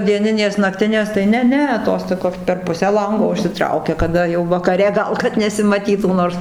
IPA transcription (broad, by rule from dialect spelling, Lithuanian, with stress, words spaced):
dʲiɛˈnʲɪnʲeːs nɐkˈtʲɪnʲeːs tɐɪ ˈnʲɛ ˈnʲɛ ˈtoːs toːˈkʲoːs pʲɛr ˈpʊsʲæː ˈlˠɐŋɡoː ʊʃʲsʲɪˈtrɐʊkʲɛ kɐˈdɐ jɛʊ ʋɐkɐˈrʲɛ ˈɡɐlˠ kɐt nʲɛsʲɪmɐˈtʲiːtuː ˈnoːrs